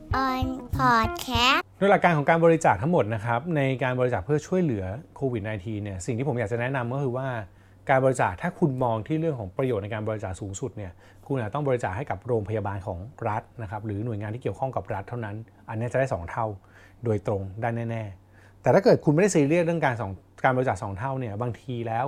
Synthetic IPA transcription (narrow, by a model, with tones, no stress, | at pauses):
ʔɔ˧npʰɔː˨˩t̪̚kʰɛː˦˥nu˥˩˥la˨˩kaː˧nkʰɔ˩˦ŋkaː˧nbɔː˧ɾi˦˥t͡ɕaː˨˩k̚t̪ʰa˦˥ŋmo˨˩t̪̚na˦kʰɾa˦˥p̚na˧jkaː˧nbɔː˧ɾi˦t͡ɕaː˨˩pʰɯ˥˩ɐt͡ɕʰu˥˩əjlɯ˩˦ɐkʰoː˧wi˨˩t̪̚naː˧jt̪ʰiː˧ni˥˩ɐsi˨˩ŋʰiː˥˩po˩˦jaː˨˩k̚t͡ɕa˨˩nɛ˦˥na˧mkɔ˥˩kʰɯː˧waː˥˩ | kaː˧nbɔː˧ɾi˧t͡ɕaː˨˩k̚t̪ʰaː˥˩kʰu˧nmɔː˧ŋt̪ʰiː˥˩ɾɯ˥˩əŋkʰɔː˩˦ŋpɾa˧joː˨˩t̪na˧jkaː˧nbɔː˧ɾi˦t͡ɕaː˨˩k̚suː˩˦ŋsu˨˩t̪̚ni˥˩ɐ | kʰu˧njaː˨˩t̪ɔ˥˩ŋbɔː˧ɾi˦t͡ɕaː˨˩k̚ha˥˩jka˨˩p̚ɾoː˧mpʰa˧jaː˧baː˧nkʰɔː˩˦ŋɾa˦˥t̪̚na˦˥kʰa˦˥p̚ɾɯː˩˦nu˨˩əjŋaː˧nt̪ʰiː˥˩ki˩ə˩kʰɔ˥˩ŋka˨˩p̚ɾa˦˥t̪ʰːa˥˩wna˦˥n | ʔa˧nː˦˥˩t͡ɕa˨˩daː˥˩sɔː˩˦ŋt̪ʰa˥˩w | doː˧jt̪ɾo˧ŋdaː˥˩jnɛː˥˩nɛː˥˩ | t̪ɛː˨˩t̪ʰaː˥˩kɤː˨˩t̚kʰu˧nm˥˩da˥˩siː˧˦lɯ˥˩ət̚ɾɯ˥˩əŋkaː˧nsɔː˩˦ŋ | kaː˧bɔ˧i˧t͡ɕaː˨˩ksɔː˩˦ŋt̪ʰa˥˩wni˥˩ɐbaː˧ŋt̪ʰiː˧lɛː˦˥w